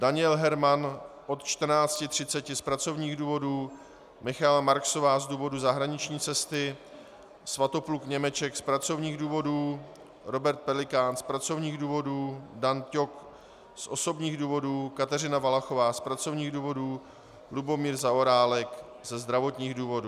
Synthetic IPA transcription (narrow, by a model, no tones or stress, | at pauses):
daɲɪɛlɦɛɾmanʔo̞t̪t͡ʃt̪r̩naːt͡scɪt̪r̝̥ɪtt͡sɛcɪspɾat͡so̞vɲiːɣduːvo̞duː | mɪxaɛlamaɾkso̞vaːzduːvo̞duzaɦɾaɲɪt͡ʃɲiːt͡sɛst̪ɪ | svat̪o̞plukɲɛmɛt͡ʃɛkspɾat͡so̞vɲiːɣduːvo̞duː | ɾo̞bɛɾt̪̚pɛlɪkaːnspɾat͡so̞vɲiːɣduːvo̞duːdanco̞k | sʔo̞so̞bɲiːɣduːvo̞duːkat̪ɛr̝ɪnavalaxovaːspɾat͡so̞vɲiːɣduːvo̞duː | lubo̞miːɾzaʔoɾaːlɛk | zɛzd̪ɾavo̞t̪ɲiːɣduːvo̞duː